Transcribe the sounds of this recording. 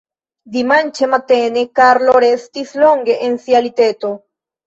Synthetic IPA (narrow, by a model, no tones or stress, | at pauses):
d̪imant͡ʃemat̪enekaɾloɾest̪isloŋɡeʔensjalit̪et̪o